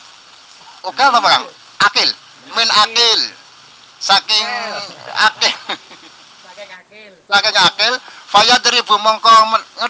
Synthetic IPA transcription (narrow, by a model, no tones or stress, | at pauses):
ukanabakaŋ | ʔakɪl | mɪnakɪl | sakɪŋa̰kɪl | sakɪŋakɪlfajad̪əɾib̥ṳmɔŋkɔməŋə